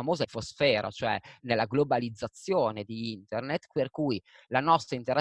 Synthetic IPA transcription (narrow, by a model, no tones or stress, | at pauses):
amoːzafosfɛːɾa̰t͡ʃoɛnelːaɡlobalid̪zːat̪sːjoːned̪iint̪ernet̪perkuj | lanɔst̪ɾaint̪eɾa